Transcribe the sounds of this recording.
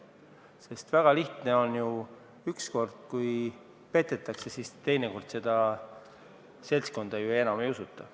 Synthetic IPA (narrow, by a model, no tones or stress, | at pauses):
se̞st̪væɡ̥ɑliht̪ne̞o̞nju | yksko̞rd̪̥̚kuj | pe̞t̪ːˑe̞t̪ːˑɑkse̞sist̪e̞jneko̞rd̪̥se̞d̪̥ɑ | se̞lsko̞nd̪̥ejue̞nɑme̞jusut̪ːˑɑ